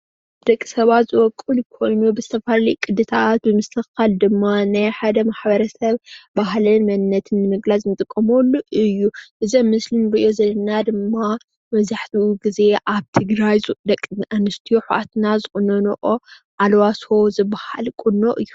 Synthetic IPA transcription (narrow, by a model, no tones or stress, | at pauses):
d̪̥ɐkʼːisɐβat̪zɨwɔkʼːulkʰo̞jnubɨzɨt̪ʰɐfallijkʼɨd̪ɨt̪ʰat̪̚bɨmɨst̪ʰɨxald̪ɨmːanajħad̪ɐmaħbɐɾɐsɐβbaɦlɐnmɐnːɐt̪ʰɨnːɨmɨɡlaznt̪ʼɨkʼːɐmolːuʔɨjːuʔɨzɐmːɨslɨnɾɨʔo̞zɐlːɐnad̪ɨmːa | mɐzaħt̪ʰiuɡize̞ʔaβt̪ʰɨɡɾajzd̪ɐkʼːanɨst̪ʰijuħuʔat̪nazɨxʼɨnɐnʔo | ʔalwaso̞zɨbahalkʼunːoʔɨjːu